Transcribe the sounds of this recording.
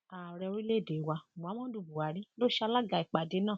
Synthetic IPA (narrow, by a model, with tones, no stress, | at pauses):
a˨ɾɛ˧o˧ɾi˦le˦˨de˨wã˧˨a˨˦mɔ̃˦du˧˨bu˨a˨ɾĩ˦lo˦ʃa˧la˦ɡa˧˨i˨k͡pa˨de˨˦nãː˦˨